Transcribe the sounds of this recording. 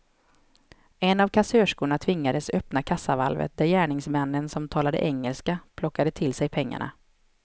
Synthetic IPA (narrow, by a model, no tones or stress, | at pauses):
ɛnavkʰasøːʂkuːɳat̪ʰvɪŋːad̪əsœpnakʰasːava̰lvə̰t̪̚d̪æɾjæːɳɪŋsmɛnːənsɔmt̪ʰɑːlad̪ə̰ʔɛŋːəlskapʰlɔkːad̪ət̪ʰɪlsɛjpʰɛŋːa̰ɳa̰